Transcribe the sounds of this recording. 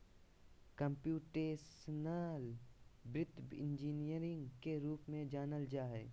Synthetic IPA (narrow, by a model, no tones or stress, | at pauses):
kə̃mpjuːʈeːsnaːlbɾɪt̪bɪ̰̃nd͡ʒiːnijəɾɪ̃ŋɡkeɾuːpmẽd͡ʒaːnəld͡ʒaːɦɛː